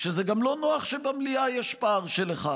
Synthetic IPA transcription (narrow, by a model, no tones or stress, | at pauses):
ʃezeɡamlo̞noaχʃebamliajɛʃpaʁʃeleχad